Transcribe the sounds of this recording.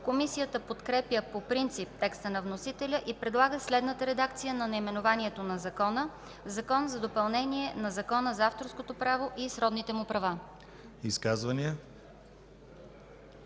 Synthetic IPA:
komisijət̪əpot̪kɾɛpjəpopɾint̪sip̚t̪ɛkst̪ənɐvnosit̪ɛlʲəʔipɾɛd̪lˠaɡəslɛd̪nət̪əɾɛd̪ak̚t̪sijənɐnɐimɛnovanʲiɛt̪onɐzɐkɔnə | zɐkɔnzɐd̪opɐlˠnɛniɛnɐzɐkɔnəzaft̪oɾskot̪opɾavoʔisɾɔd̪nit̪ɛmʊpɾɐva | iskazvəniə

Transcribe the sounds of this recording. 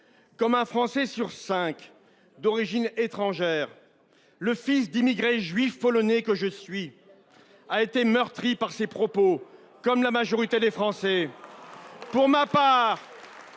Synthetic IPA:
kɔmɛ̃fχɑ̃sɛsyʁsɛ̃k | d̪ɔʁiʒinet̪χɑ̃ʒɛːʁ | ləfisd̪imiɡʁeʒɥifːɔlɔnekəʒəsɥi | aet̪emœʁt̪χipaʁsepχɔpo | kɔmlamaʒɔʁit̪ed̪efχɑ̃sɛ | puʁmapaːʁ

